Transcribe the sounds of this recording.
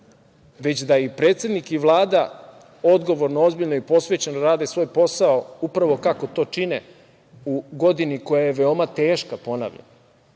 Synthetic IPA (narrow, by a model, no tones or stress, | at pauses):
ʋe̞t͡ɕd̪aipɾeːt̪se̞d̪nikiʋlˠaːd̪a | o̞d̪ɡo̞ʋo̞ɾnoo̞zbiʎnoipo̞sʋe̞t͡ɕenɾaːd̪esʋo̞ːjpo̞saoupɾaʋo̞kako̞t̪o̞ːt͡ʃinḛ | uɡo̞d̪iniko̞jaje̞ʋeo̞mat̪eːʃkapo̞na̰ʋʎa̰na